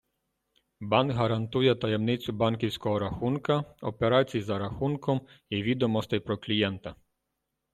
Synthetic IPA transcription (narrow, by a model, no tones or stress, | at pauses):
bɑnɡɦɐɾɐnt̪ujɛt̪ɐjɛmnɪt͡sʲʊbɑnkʲiwsʲkɔɦɔɾɐxunkɐɔpeɾɑt͡sʲijizɐɾɐxunkɔmiʋʲid̪ɔmɔst̪ɛjpɾɔklʲijɛnt̪ɐ